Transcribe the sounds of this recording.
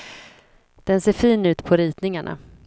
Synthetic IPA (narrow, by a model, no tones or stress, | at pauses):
d̪̥ɛnseːɾfiːnʉ̟ːt̪pʰɔɾiːt̪nɪŋaɳʔa̰